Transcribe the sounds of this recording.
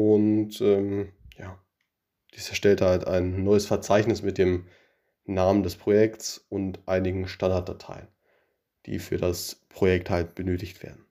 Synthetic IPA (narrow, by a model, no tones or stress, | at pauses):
ʔʊntʔɛːmjaː | d̥iːsɛɐʃtɛlthalta̰ɪnːɔʏəsfɛɐt͡saɪçnɪsmɪt̚d̥eːm | naːməndɛspʁ̥ojɛktsʊntʔaɪnɪɡŋ̩ʃtandaɐt̚d̥atʰa̰ɪən | d̥ḭːfyːɐdaspʁ̥ojɛk̚thalt̚b̥ənøːtɪçtv̥ḛːɐdn̩